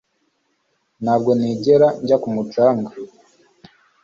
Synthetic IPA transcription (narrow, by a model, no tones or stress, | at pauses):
nhaːb̚ɡo̞niːɟeɾaɲɟakumut͡ʃaːŋɡa